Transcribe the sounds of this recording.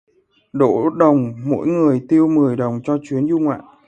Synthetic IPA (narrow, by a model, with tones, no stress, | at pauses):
ɗo̰˧˨ɗə˨˩wŋ͡mmo̰˧˥jŋɨ˨˩əjt̪i˧əwmɨ˨˩əjɗə˨˩wŋ͡mt͡ɕɔ˧t͡ɕwi˨˦ənzu˧ŋwa̰ː˧˨n